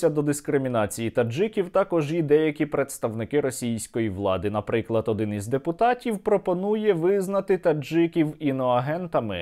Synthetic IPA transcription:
sʲɐd̪ɔd̪ɪskɾɪmʲinɑt͡sʲijit̪ɐd͡ʒɪkʲiwt̪ɑkɔʒjid̪ɛjɐkʲipɾe̞t̪st̪ɐʋnɪkɪɾɔsʲijsʲkɔjiʋlˠɑ̰d̪ɪnɐpɾɪklˠɐt̪ɔd̪ɪnizʲd̪epʊt̪ɑtʲiwpɾɔpɔnujɛʋɪznɐt̪ɪt̪ɐd͡ʒɪkʲiwinɔɐɦɛnt̪ɐmɪ̰

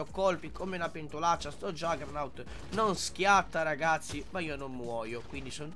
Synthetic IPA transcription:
ɔkːɔlpikomeunapɛnt̪ulat͡ʃːast̪ɔd͡ʒaɡɾnawt̪ | nɔnskjat̪ːaɾaɡat̪sːimaiːonɔmːwɔːjokwind̪isɔn

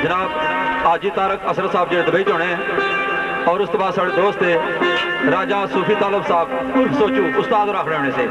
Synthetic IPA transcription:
d͡ʒənaːbaːd͡ʒiːt̪aːɾəkəsɾət̪saːb̚d͡ʒeːɽeːd̪əbaːiːd͡ʒɔːɽẽː | ɔːɾʊst̪ːbaːd̪saːɖeːd̪oːst̪eː | ɾaːd͡ʒaːsʊːpʰiːt̪aːləbsaːb | pʊɾpsoːt͡ʃũːʔʊst̪aːd̪ɾakʰɽeːɔːɳeːseː

